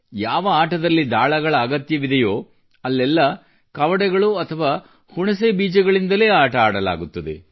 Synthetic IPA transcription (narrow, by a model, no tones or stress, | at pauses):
jaːʋɐaːʈɐd̪ɐlːid̪aːɭɐɡɐɭɐːɡɐt̪jɐʋid̪ɐjoː | ɐlːɛlːɐ | kɐʋɐɽɛɡɐɭuɐt̪ʰɐʋaː | huɳɐseːbiːd͡ʒɐɡɐɭind̪ɐle̞ːaːʈɐaːɽɐla̰ːɡut̪ːɐd̪ḛ